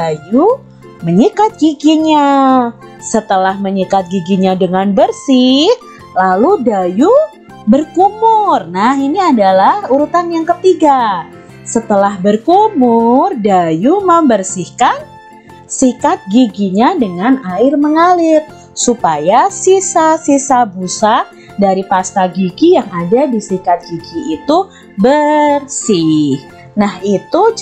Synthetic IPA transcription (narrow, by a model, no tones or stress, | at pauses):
aju | məɲikat̪̚ɡiɡiɲa | sət̪əlahməɲikat̪̚ɡiɡiɲadəŋanbərsɪh | laludaju | bərkumʊrnahiniadalahuɾut̪anjaŋkət̪iɡa | sət̪əlahbərkumʊrdajuməmbərsɪhkan | sikat̪̚ɡiɡiɲadəŋanaɪrməŋalɪr | supajasisasisabusa | daɾipast̪aɡiɡijaŋadadisikat̪̚ɡ̥iɡiːt̪u | bərsɪh | nahit̪u